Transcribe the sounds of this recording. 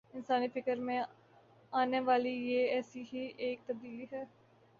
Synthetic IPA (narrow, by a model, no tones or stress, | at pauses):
ɪnsaːniːpʰɪkəɾmẽː | aːneːʋaːliːjeːɛːsiːɦiːʔeːk̚t̪əb̚d̪iːliːɦɛː